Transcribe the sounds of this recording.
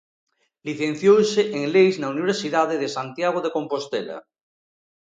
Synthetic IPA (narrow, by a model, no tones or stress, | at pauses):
liθẽn̟θjowseʔeŋlejznauniβ̞eɾsiðaðeðesant̪jaɣ̞oðeko̞mpost̪ela̰